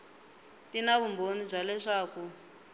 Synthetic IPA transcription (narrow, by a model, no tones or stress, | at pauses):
tinaβumbonib͡ʐalɛʂaːku